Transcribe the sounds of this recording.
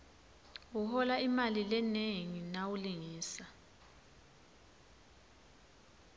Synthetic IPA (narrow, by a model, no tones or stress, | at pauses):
uhɔlaimalilɛneŋinawuliŋiːsa